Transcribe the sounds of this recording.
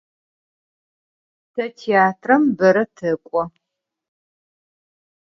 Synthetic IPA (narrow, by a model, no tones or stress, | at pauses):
tʰɐtʰiaːtʰrɐmbɐɾɐtʰɨkʷʼɔ